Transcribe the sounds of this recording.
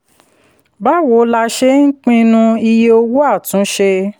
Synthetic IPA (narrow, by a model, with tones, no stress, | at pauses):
ba˦wo˨˦la˧ʃe˦ŋ̩˦k͡pĩ˦nũ˧i˧je˦o˧wo˦a˦˨tũ˨˦ʃe˧